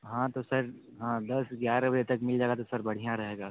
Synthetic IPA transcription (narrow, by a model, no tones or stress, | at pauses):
ɦãːt̪osɐɾɦãːd̪ɐsɡjaːɾabɐd͡ʒet̪ɐkmɪld͡ʒaːɡat̪osɐɾbɐɽ̤ijãɾɐɦeːɡaː